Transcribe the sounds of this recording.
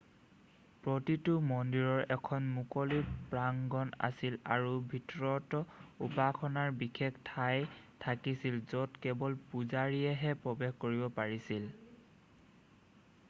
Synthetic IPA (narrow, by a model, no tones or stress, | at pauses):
pɹɔtitʊmɔndiɹɔɹɛkʰɔnmukɔlipɹaŋɡɔna̰sila̰ɹubʱitɹɔtɔupakʰɔnaɹbixʰektʰajtʰakisilzɔtkɛbɔlpuzaɹiɛɦɛpɹɔbɛxkoɹibɔpaɹisil